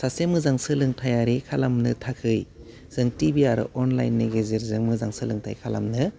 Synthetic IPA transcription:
sasemɯzaŋsɯlɯŋtʰajaɾikʰalamnɯtʰakʰɯj | z̥ɯŋtibiaɾɯ̰ʔɔnla̰jnːeɡezeɾzɯŋmɯzaŋsɯlɯŋtʰa̰jkʰala̰mnɯ

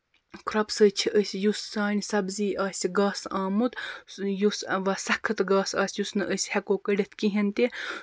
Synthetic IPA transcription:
kɾɐpsət͡ʃʰiʔəsʲjusːaːnʲisɐbziːʔaːsʲiɡɑːsɑːmut̪jusʋɐsɐkʰːɨt̪ɡɑːsɑːsʲjusnɨʔəsʲhɐkoːkəɽʲɐt̪ʰkiɦint̪e

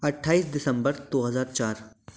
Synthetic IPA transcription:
ɐʈʰːaːiːsd̪ɪsə̃mbəɾd̪̥oːɦɐzaːɾt͡ʃaːɾ

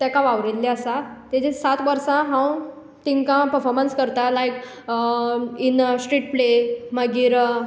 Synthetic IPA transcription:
t̪jakãʋaʋɾelːeəsat̪ɛd͡ʑesat̪ʋəɾsãɦãw | t̪iŋkãpəɾfɔɾmənskəɾt̪alajk | insʈɾiʈ̚pleməɡiːɾ

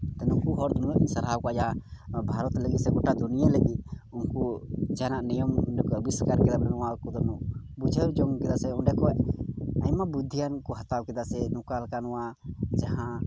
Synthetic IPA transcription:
t̪ɛnukuɦɔɾd̪ɔnujɛʔiɲsəɾɦawkɔad͡ʒabʱaɾɔt̪ləɡit̪sɛɡɔʈad̪unijaləɡit̪̚unkud͡ʒanaʔnijɔmkəbiskaɾkɛd̪abɾɛnɔwakɔd̪ɔnuʔ | bud͡ʒʱəɾd͡ʒɔŋkɛd̪asɛunɖɛkɔ | aɲmabud̪ʱːijankɔɦat̪awkɛd̪asɛnukalkanɔwad͡ʒahã

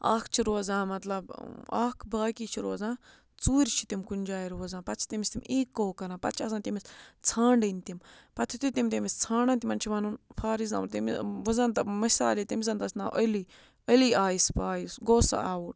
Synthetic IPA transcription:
a̰ːkʰt͡ʃʰiɾoːzãːmɐt̪lɐba̰ːkʰbaːkiːt͡ʃʰiɾoːzãː | t͡suːɾʲt͡ʃʰi̥t̪imkunʲd͡ʒaːiɾoːzãːpɐt͡ʃʰi̥t̪imisʲt̪imʲeːkːoːkɐɾãːpɐt̪t͡ʃʰasãːnt̪imist͡sʰãːɳɖɐnt̪impɐt̪ʰit̪it̪imt̪imist͡sʰaːɳãnt̪imɐnt͡ʃʰiʋɐnunpʰaːɾizna̰munt̪imʋɐzɐnt̪ɐmɐsa̰ːliːt̪imizɐnt̪ɐsna̰ːʔə̰li | əliaːjispaːjisɡoːsa̰aːuː

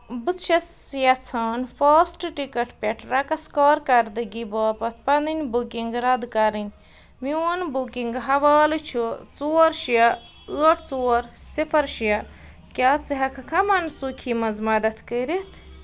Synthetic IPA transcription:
bɨt͡sʃɐsjɐt͡sʰaːnfɐːsʈʈikɐʈpʲɐʈʰɾɐkɐskaːɾkɐɾd̪ɨɡiboːpɐt̪̚ʰpɐnd̪ɨnʲbukiŋɡɾɐd̪kɐɾɨnʲ | mionbukiŋɡɦɐʋaːlɨt͡ʃʰut͡suɐɾʃjɐ | ɨɐʈt͡suːɐɾsifɐɾʃijɐ | kʲaːt͡sɨɦɐkʰɨkʰɐmɐnsukʰimɐzmɐd̪ɐt̪ʰkəɾit̪ʰ

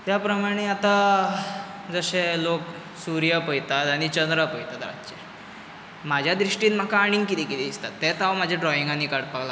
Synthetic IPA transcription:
t̪japɾəmaɽ̃eat̪a | d͡zəɕelok | suɾjəpəjt̪at̪aɽ̃it͡ɕənd̪ɾəpəjt̪at̪ɾa̰t̪t͡ɕeɾ | mad͡ʑʱjad̪ɾiʂʈiːnm̤akaːɽ̃iŋɡkit̪ikit̪iːd̪ist̪at̪ːɛt̪aʋm̤ad͡ʑʱjaɖɾɔiŋɡanːikaɽpaɡla

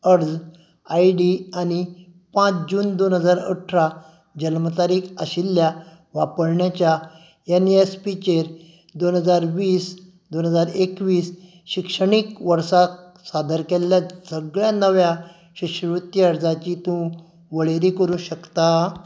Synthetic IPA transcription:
əɾd͡z | aiɖiani | pãt͡sd͡ʑuːnd̪onɦəd͡zaɾə̰ʈʰɾa | d͡ʑəlmət̪aɾiːkʰəɕilːja | ʋapəɾɳjat͡ɕja | eniespit͡ɕeɾ | d̪onɦəd͡zaɾʋiːs | d̪onɦəd͡zaɾekʋiːs | ɕikʂəɳikʋəɾsa | sad̪əɾkeljasəɡɭjanəʋja | ɕiɕʋit̪ːiəɾd͡zat͡ɕit̪ũ | ʋəɭeɾikəɾũɕəkt̪a

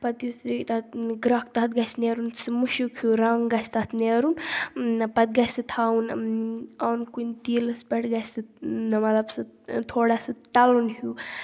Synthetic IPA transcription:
pɐt̪jut̪ɨt̪at̪ɡɾaːkt̪at̪̚ɡɐsneːɾunsɨmuʃukʰuɾaŋɡɐst̪at̪ʰneːɾun | pɐt̪̚ɡɐsɨt̪ʰaːun | awnkunt̪iːlɨspʲeʈɡɐsɨnɐmɐtlɐbsɨt̪ʰoːɽasɨt̪ɐlunhu

